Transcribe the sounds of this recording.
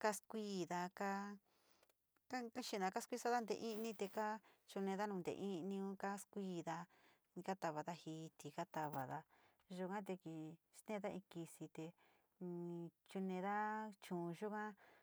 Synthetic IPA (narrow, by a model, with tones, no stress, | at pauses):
ka˦skʷiː˦˨ða˧ka˦ | ka˦ki˦ʃi˧˨nã˧ka˦skʷi˦sa˦ða˦nd̪ḛ˧ʔĩ˦˧nĩ˦t̪e˧ka˦t͡ʃu˧nẽ˧ða˦nũ˧nd̪ḛ˧ʔĩ˦˧nĩ˧ũ˦ka˦skʷiː˦˧˦ðã˧ | ka˦t̪a˧βa˨ða˦hiː˧˦˧t̪i˨ka˦t̪a˧βa˨ða˧ | ʒu˧kã˦t̪̬e˧ki˧ʃt̪ẽ˦˧ða˦ʔĩ˧ki˧si˧t̪ẽ˧ | t͡ʃu˧nẽ˧ða˦t͡ʃũː˨˧ʒu˦kã˦